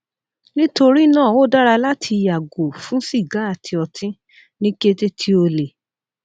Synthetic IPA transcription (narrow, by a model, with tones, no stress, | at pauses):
nĩ˦to˧ɾi˦˨nãː˦˨wo˦da˦ɾa˧la˦tʰi˧ja˨ɡo˨fũ˨˦si˦˨ɡa˨˦a˦˨tʰi˧ɔ˨tʰĩ˦ | nĩ˦ke˦te˦tʰi˦o˧le˨